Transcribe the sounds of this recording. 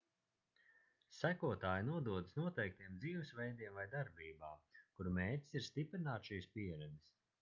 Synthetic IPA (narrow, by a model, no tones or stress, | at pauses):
sækuɔt̪aːjnuɔd̪uɔd̪ɨsnuɔt̪ɛjk̚t̪iɛmd̪ziːvɨsvɛjd̪iɛmvajd̪aɾbiːbaːkuɾmeːcʲsiɾst̪ipɾinaːt̪ʃiːspiɛɾɛd̪is